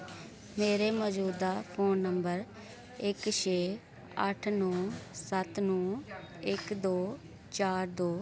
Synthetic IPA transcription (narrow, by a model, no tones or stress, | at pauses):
meːɾeːmɔːd͡ʒuːd̪aːpʰoːnːəmbəɾ | ɪkʃʰeː | əʈʰnõːsət̪nũː | ɪkd̪oː | t͡ʃaːɾd̪oː